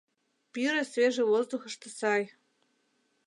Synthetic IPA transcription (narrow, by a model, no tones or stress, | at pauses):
pyɾesveʒevozd̪uxə̆ʃt̪ɤ̆sɑj